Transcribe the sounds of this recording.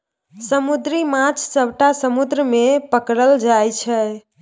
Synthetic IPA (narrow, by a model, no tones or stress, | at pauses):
səmud̪ɾimãt͡ʃʰsəwʈasəmud̪ɾəmepəkɾəld͡ʒajt͡ʃʰɛ